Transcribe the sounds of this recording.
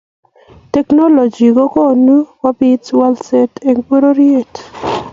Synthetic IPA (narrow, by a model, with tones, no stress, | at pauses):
tɛ˦kno˦lo˨d͡ʒi˨ɡo˦ko˦˨nu˦wa˦bi˦twa˦ldse˦te˨ŋko˦ɾo˦ɾie˦˨t